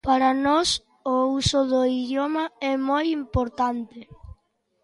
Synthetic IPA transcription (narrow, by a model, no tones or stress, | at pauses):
paɾɐnɔs | ʊusʊðoiðjɔmɐɛmojimpoɾt̪ant̪ɪ